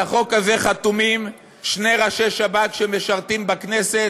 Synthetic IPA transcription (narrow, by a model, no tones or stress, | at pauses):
aχo̞kazeχat̪umim | ʃne̞ʁaʃeʃabakʃeme̞ʃaʁt̪imbakne̞se̞